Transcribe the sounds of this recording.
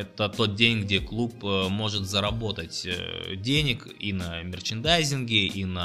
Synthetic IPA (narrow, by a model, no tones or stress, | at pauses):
ɛt̪ət̪o̞t̪̚dʲenʲɡdʲeklˠupmo̞ʐɨt̪zəɾɐbo̞t̪ətʲdʲenʲɪk | inɐmʲɪrt͡ɕɪnd̪ajzʲɪnɡʲɪinɐ